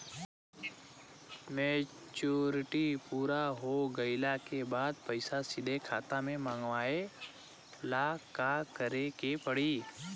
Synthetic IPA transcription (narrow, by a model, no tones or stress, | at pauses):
meː | t͡ʃuːɾɪʈipuːɾaɦoɡɐɪlakebaːd̪̚pɐɪsasɪd̪ʱekʰaːt̪amẽmãːŋɡʋaːe | lakakəɾekepəɽiː